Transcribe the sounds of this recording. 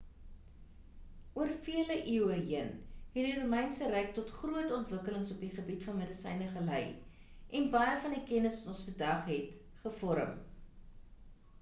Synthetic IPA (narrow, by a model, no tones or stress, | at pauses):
ʔuərfiələʔiəwəɦiənɦɛtdirumɛjnsəræk̚tɔtχruətɔntvəkələŋsɔpdiχəbitfɐnmədəsɛ̰jnəχəlɐj | ʔɛnbɐjəfɐndikɛnəsʋɐtɔ̃nsfərdɐχɦɛt | χəfɔɾə̰m